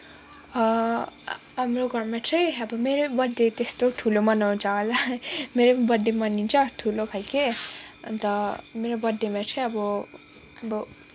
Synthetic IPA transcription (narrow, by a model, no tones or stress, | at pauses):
ʌ | ɦamroɡʌrmat͡sʰʌjʌbʌmeɾobʌɖet̪est̪oʈʰulomʌnawt͡salameɾobʌd̪emʌnint͡sʰʌʈʰulokʰalkeʌ̰nt̪ʌmeɾobʌd̪ːemat͡sʰʌjʌbʌ | ʌbʌ